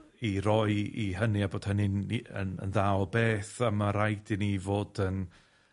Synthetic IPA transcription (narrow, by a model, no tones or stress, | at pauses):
iɾɔjiɦəniaboːd̥hənɪnə̰nə̰nðawbeːθamaɾajdɪnivoːdən